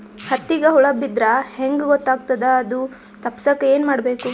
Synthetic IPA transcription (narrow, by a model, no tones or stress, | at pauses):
hɐt̪ːiɡɐɦuɭɐbid̪ɾɐheŋɡɡɔt̪ːaːɡ̚t̪ɐd̪ɐːd̪u | t̪ɐpːsɐkːɐeːnmaːɽbe̞ːku